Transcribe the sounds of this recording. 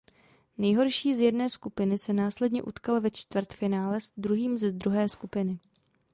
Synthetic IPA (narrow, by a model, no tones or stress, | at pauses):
nɛjɦo̞ɾʃiːzjɛdnɛːskupɪnɪsɛnaːslɛdɲɛ̰ʔṵt̪kalvɛt͡ʃt̪vr̩t̪fɪnaːlɛsd̪ɾuɦiːmzɛd̪ɾuɦɛːskupɪnɪ